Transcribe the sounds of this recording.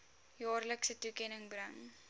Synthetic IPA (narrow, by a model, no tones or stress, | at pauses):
jɑːrləksətukɛnəŋbrəŋ